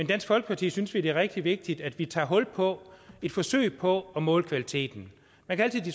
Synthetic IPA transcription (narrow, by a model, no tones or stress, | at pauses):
mend̥æn̰sɡ̥fɒ̽lɡ̥ə̥pʰɑ̈t͡sʰḭːsynsʋid̥e̝æʁɛɡ̥̚d̥iʋe̝ɡ̥̚d̥id̥æd̥ʋit͡sʰɑ̰̈ːɦɔ̽l̰pʰɒ̽e̝d̥fɒ̽sø̰ɪpʰɒ̽ɒ̽mɔ̽ːlkʰʋælit͡sʰe̝̰ːd̥n̩ | mænkʰææl̰t͡sʰið̥ˠis